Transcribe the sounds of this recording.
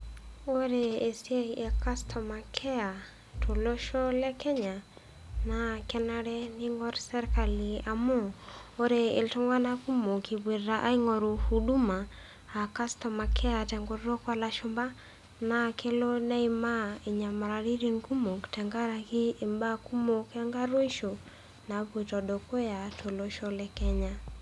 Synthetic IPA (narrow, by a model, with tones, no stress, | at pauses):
o˦ɾeː˨sje˦ʔe˨ka˦stʰɔ˨ma˨kʰɛ˦a˨ | tʰo˨lo˦ʃo˦lɛ˦kɛ˦ɲa˨ | na˨kɛ˦na˦ɾɛ˦ni˦ŋɡɔ˦ɾsɛ˦ɾka˨li˨a˨mo˦o˦ɾe˨ḛ˨lto˦ŋɡwa˦na˦ku˦mo˨ki˨bwe˨ɾaʔa˦i˦ŋo˨ɾu˨hu˨du˦maː˨ | ka˦stɔ˨ma˨kʰɛ˦a˨tɛ˨ŋɡo˨ɾɾo˦kwa˦la˨ʃo˦mba˦ | na˨kʰe˦lo˦na˦ima˦i˨ɲa˨ma˨ɾa˨ɾi˦ɾi˦nku˦mo˨ktɛ˨ŋɡa˦ɾa˨kiː˦˨mba˦ku˦mo˨kɛ˦ŋɡa˦ɾo˦iʃo˨ | na˨βwe˨tɔ˨do˨ko˦ja˨tʰo˨loʃolɛkɛ˦ɲa˦